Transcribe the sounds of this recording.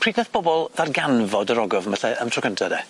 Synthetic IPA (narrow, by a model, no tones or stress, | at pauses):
pʰr̥iːdnɛθb̥ɔbɔlˠðarɡanvɔdəɾɔɡɔvmaɬɛʔəmtʰrɔkəntʰadɛ